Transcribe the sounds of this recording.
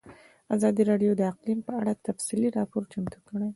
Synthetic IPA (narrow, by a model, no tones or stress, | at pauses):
azɑd̪iɾɑɖijod̪əaqlimpəaɽat̪afsiliɾɑpoɾt͡ʃamt̪ukəɽe